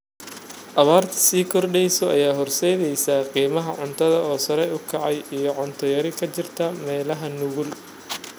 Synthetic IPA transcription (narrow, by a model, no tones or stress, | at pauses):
ʔɐβaːrt̪ʰɐ̥siːkʰɔrɖɛjsɔʔɐjaːɦɔrsɛjðɛjsaːqiːmɐɦɐʕʊnt̪ʰɐðɐɔːsɐɾɛjʊkʰɐʕɑjijɔʕʊnt̪ʰɔjɐɾɪkʰɐt͡ʃɪrt̪ʰɐmɛːlɐɦɐnʊɣʊl